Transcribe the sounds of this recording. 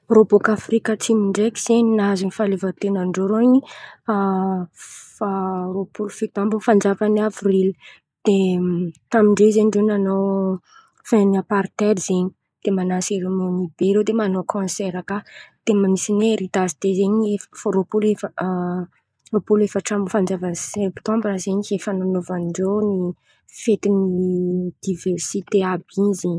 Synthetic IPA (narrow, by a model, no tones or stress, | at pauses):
robokafrikət͡simiɳɖ͡ʐekiz̥eɲinazinifalevat̪enanɖ͡ʐoɾoiɲi | faropulufit̪ambufand͡zafanavrili̥ | d̪̥et̪amiɳɖ͡ʐezeɲɖ͡ʐenanow | fenapaɾt̪ɛɾiz̥eɲi̥ | d̪̥emanaseɾomonibeɾed̪emanokʰɔ̃sɛɾakad̪̥emamisineɾid̪azid̪̥ezeɲeffoɾopulef | ropulefaʈ͡ʂamfand͡zavənsɛpt̪ɔ̃mbazeɲiefananovanɖ͡ʐoni | fet̪inid̪̥ivɛrsit̪eabinzeɲi